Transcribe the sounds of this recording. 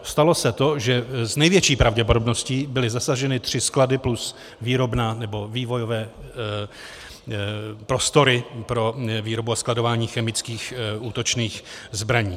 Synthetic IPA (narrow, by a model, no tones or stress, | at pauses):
st̪alo̞sɛt̪o̞ʒɛznɛjvjɛt͡ʃiːpɾavɟɛpo̞dobno̞scibɪlɪzasaʒɛnɪt̪r̝̥ɪskladɪplus | viːɾo̞bnaːnɛbo̞viːvo̞jo̞vɛː | pɾo̞st̪o̞ɾɪpɾo̞viːɾo̞buasklado̞vaːɲiːxɛmɪt͡skiːxʔuːt̪o̞t͡ʃniːxzbɾaɲiː